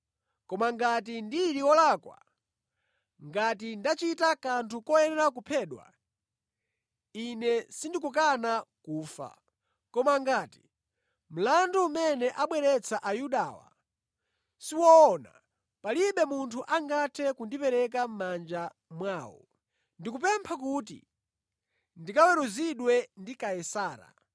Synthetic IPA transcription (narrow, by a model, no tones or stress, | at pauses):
kɔmaŋɡat̬indiɾiwɔlaːkwa̰ | ŋɡatindat͡ʃitakantʰukɔjɛnɛɾak̬upʰɛːɗwa̰ | inɛsindikuk̬anakuːfa̰ | kɔmaŋɡaːti̥ | m̩landuumɛnɛʔaɓwɛɾɛt͡sʰaʔajuɗaːwa̰ | siwɔɔna̰ | paliɓɛmuntʰuʔaŋɡatʰɛkundipɛɾɛk̬am̩mand͡ʒa | mwaːwɔ̰ | ndikup̬ɛmpʰak̬uːtḭ | ndikawɛɾuziɗwɛndikajɛsaːɾa̰